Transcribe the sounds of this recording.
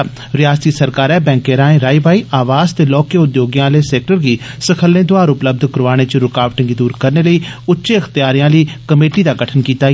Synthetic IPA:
ɾɪjaːst̪iːsəɾkaːɾɛːbɛ̃ːŋkeːɾãːẽːɾaːiːbaːiːʔaːʋaːzt̪eːlɔːkeʊd̪joːɡjãːleːsɛːk̚ʈəɾɡiːsəkʰəlẽːd̪ʊaːɾʊpləb̚d̪ʱkəɾʋaːɽ̃eːt͡ʃɾʊkaːʋʈɪ̃ŋɡid̪uːɾkəɾneːləiːʊtːʃeːəxt̪ɪjaːɾijãːləiːkəmeːʈiːd̪aːɡəʈʰənkiːt̪aː

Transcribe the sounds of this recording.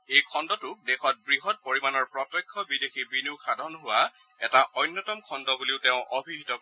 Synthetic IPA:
ejkʰɔndɔtʊdexɔt̚bɹiɦɔt̚poɹimanɔɹpɹɔtɔkʰːɔbidexibiniʊkʰadʱɔnɦʊwa | ɛtaʔɔjnːɔtɔmkʰɔndɔbuliʊteʊ̃ʔobʱiɦitɔ

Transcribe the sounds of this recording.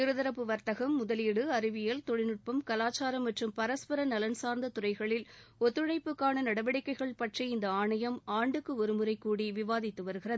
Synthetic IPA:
ɪɾɯðɐɾɐpːɯʋɐɾt̪ɐɣɐmːʊðɐliːɽɯɐɾɪʋɪjɐlt̪ɔɻɪnɯʈ̚pɐmkɐlaːt͡ʃːaːɾɐmːɐʈrɯmpɐɾɐspɐɾɐnɐlɐnsaːɾnd̪ɐt̪ʊrɐɪɣɐɭɪlɔt̪ːɯɻɐɪpːɯkːaːɳɐnɐɽɐʋɐɽɪkːɐɪɣɐɭpɐʈriɪnd̪ɐaːɳɐjɐmaːɳɖɯkːɯɔɾɯmɯɾɐɪkːuːɽiʋɪʋaːðɪt̪ːɯʋɐɾɯɣɪrɐðɯ

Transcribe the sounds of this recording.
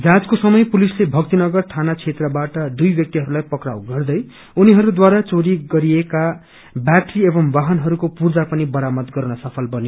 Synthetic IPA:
d͡zad͡zkosʌmʌjpulislebʱʌk̚t̪inʌɡʌrt̪ʰanat͡sʰet̪rʌbaʈʌd̪ujbjʌk̚t̪iɦʌɾulajpʌkra̰wɡʌrd̪ʌj | uniɦʌɾud̪waɾat͡soɽiɡʌɾieka | bjaʈriebʌmbaɦʌnɦʌɾukopurd͡zapʌnibʌɾamʌt̪ɡʌrnʌsʌpʰʌlbʌne

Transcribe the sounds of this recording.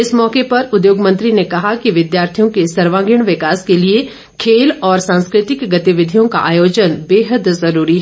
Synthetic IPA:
ɪsmɔːkepɐɾʊd̪joːɡmɐ̃nt̪ɾinekɐɦakiʋɪd̪jaːɾt̪ʰijõkesɐɾʋãːɡɪɽ̃ʋɪkaːskelie | kʰeːlɔːɾsãːnskɾɪt̪ɪkɡɐt̪iʋɪd̪ʱijõka̰ʔaːjoːd͡ʒənbeːɦəd̪zɐɾuːɾiɦɛ

